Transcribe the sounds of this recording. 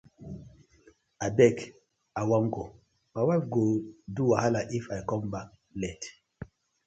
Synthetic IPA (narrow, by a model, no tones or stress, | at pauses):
abɛk | awaŋɡo | mawafɡoduwahalaʔifajkɔ̃mbak̚ | lɛt